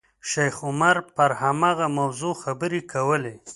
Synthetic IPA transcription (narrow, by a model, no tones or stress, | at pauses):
ʃajxʊmaɾpəɾhamɑɣamawzoxabəɾekawəle